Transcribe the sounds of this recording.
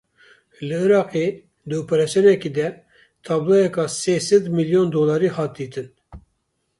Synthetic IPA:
lɨɨɾɑːqeː | d̪ɨoːpɛɾɑsijonɛkiːd̪ɛ | t̪ʰɑːblˠajɛkɑːseːsɛd̪miljond̪oːlɑːɾiːhɑːt̪̚d̪iːt̪ʰɨn

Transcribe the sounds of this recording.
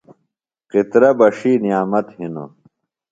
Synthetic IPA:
qit̪ɾɐbɐʂiːnijaːmɐt̪hino̰

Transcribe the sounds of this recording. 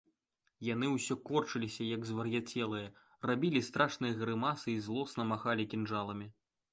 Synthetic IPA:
jan̪ɨwsʲɔkɔrt͡ʂɨlʲisʲɐjɐɡzvɐrjat͡sʲɛlˠɨjɐ | rabʲilʲist̪ɾaʂnɨjɐɣɾɨmasɨizlˠɔsnɐmaxalʲikʲinʐalˠɐmʲi

